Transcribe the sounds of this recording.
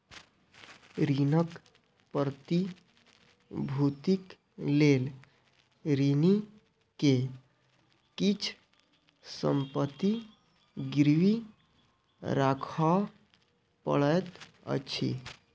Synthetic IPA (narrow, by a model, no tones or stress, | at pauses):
ɾinək | pəɾt̪i | bʱut̪ik | lel | ɾini | ke | kit͡ʃʰ | sə̰mpət̪i | ɡɾʋi | ɾakʰa | pə̰ɭəjt̪ | ə̰t͡ʃʰḭ